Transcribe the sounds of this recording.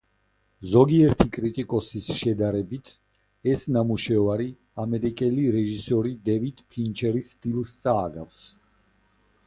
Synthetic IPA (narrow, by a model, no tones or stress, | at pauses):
zɔɡiɛɾt̪ʰikʼɾit̪ʼikʼɔsisʃɛd̪aɾɛbit̪ʰ | ɛsnamuʃɛvaɾi | amɛɾikʼɛliɾɛʒisɔɾid̪ɛvid̪̥pʰint͡ʃʰɛɾist̪ʼilˠst̪sʼaːɡa̰fs